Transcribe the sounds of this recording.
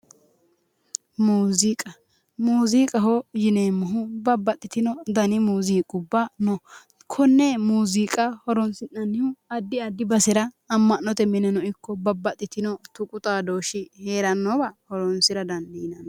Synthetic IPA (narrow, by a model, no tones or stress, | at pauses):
muːzikʼɐ | muːzikʼɐɦɔjɪneːmːʊɦʊbɐbːɐt̪ʼːɪt̪ɪnɔd̪ɐnɪmuːziːkʼʊbːɐnɔ | kʰɔnːemuːziːkʼɐhɔɾɔnsɪnːɐnːɪhʊɐd̪ːɪɐd̪ːɪbɐsɛɾɐː | mːɐnːɔt̪ɛmɪnɛnɔɪkːɔbɐbːɐt̪ʼːɪt̪ɪnɔt̪ʊkʼʊt̪ʼaːd̪o̞ːʃɪheːɾɐnːɔbɐhɔɾɔnsɪɾɐd̪ɐnd̪ɪnɐn